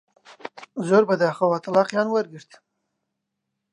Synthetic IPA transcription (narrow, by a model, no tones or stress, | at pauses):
zoɾbad̪axawat̪alɑqjɑnwaɾɡiʂt̪